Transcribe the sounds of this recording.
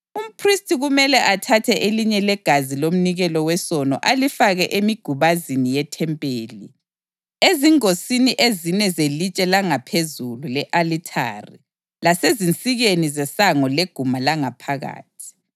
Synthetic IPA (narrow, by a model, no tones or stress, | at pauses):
um̩pʰristʰʼiɣumɛlɛʔatʰatʰɛʔeliɲɛlɛɡ̥ʱazilom̩niɣɛlɔwɛsɔnɔ̰ʔalifaɣɛʔemiɡ̥ʱuβazinijɛtʰɛmpʼeːli | eziŋosiniʔezinɛzelit͡ʃʼɛlaŋapʰezululɛʔalitʰa̰ːri | lasezint͡sʼiɣenizɛsaŋɔleɡ̥ʱumalaŋapʰaɣa̰ːtʰi̥